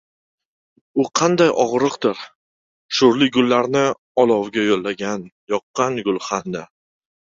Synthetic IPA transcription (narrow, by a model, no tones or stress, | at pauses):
ʊqʰɑnd̪ajʔɒʁɾɨqd̪ɪɾ | ʃʊɾlɪɡʊlːaɾnɪ | ɒlˠɒwɡʲajolːaɡʲan | jɒqːɑnɡʊlˠχanːa